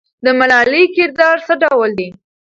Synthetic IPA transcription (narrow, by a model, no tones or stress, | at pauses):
d̪əmalɑlikɪɾd̪ɑɾsəɖawəld̪i